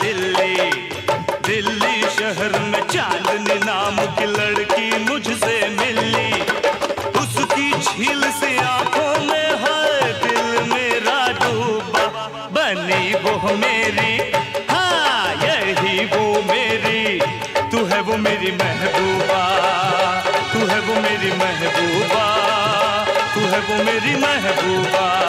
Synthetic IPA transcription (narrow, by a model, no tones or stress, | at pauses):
d̪ɪli | d̪ɪlːiʃɐɦəɾmẽt͡ʃãːnd̪ninaːmkilɐɽkimʊd͡ʒʱsemɪli | ʊskit͡ʃʰiːlseaːkʰõmẽɦad̪ɪlmeːɾaɖoːba | bɐniʋoɦmeːɾihɛ̃jeɦiʋomeːɾi | t̪ʊɦɛʋomeːɾimɛɦbuːba | t̪ʊɦɛʋomeːɾimɛɦbuːba | t̪ʊɦɛʋomeːɾimɛɦbuːba